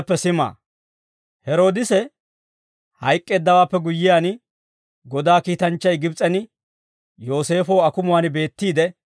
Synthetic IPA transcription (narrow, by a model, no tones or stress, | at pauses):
pːɛsɪma̰ː | hɛɾo̞ːd̪ɪsɛ | hɐjkʼːe̞ːd̪ːɐwaːpːɛɡʊjːɪjaːn | ɡɔd̪aːkiːt̪ɐnt͡ʃːɐjɡɪbt͡sʼɛnɪ | jo̞ːse̞ːfoːɐkʊmʊwaːnɪbe̞ːt̪ːiːd̪ɛ